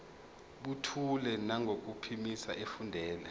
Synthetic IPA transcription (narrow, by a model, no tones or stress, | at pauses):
ɓutʰulɛnaŋɡʱok̬ʼupʰimisa̰ʔefundʱɛːlɛ